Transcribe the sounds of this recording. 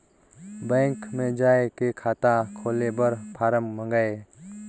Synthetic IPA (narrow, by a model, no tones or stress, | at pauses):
bɛ̃ːŋkmẽd͡ʒaːekekʰaːt̪akʰoːlebəɾpʰaːɾəmːə̃ŋɡae